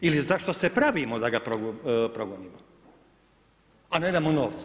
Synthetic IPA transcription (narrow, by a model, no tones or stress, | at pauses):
ilizaʃt̪osepɾaʋimod̪aɡapɾoɡpɾoɡoniːmo | aned̪amonoːʋt̪s